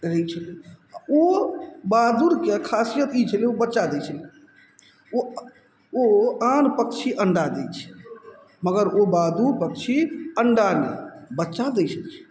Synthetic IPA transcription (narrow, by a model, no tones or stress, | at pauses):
ɾət͡ʃʰəliobad̪uɾkekʰasijət̪it͡ʃʰəliobətːʃad̪ɛt͡ʃʰəli | o | oanpək̚t͡ʃʰiʔəɳɖad̪ɛt͡ʃʰɛ̥ | məɡəɾobad̪uɾpək̚t͡ʃʰiəɳɖanḛbətːʃad̪ɛt͡ʃʰəlt͡ʃʰɛ̥